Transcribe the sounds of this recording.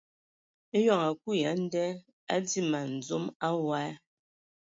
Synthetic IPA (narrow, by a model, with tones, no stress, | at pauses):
e˦jɔ˦˨ŋa˨k̚u˦ja˨˦n̩˦dɛ˦ | a˦di˦ma˨n̩˨d͡zo˦ma˦wa˦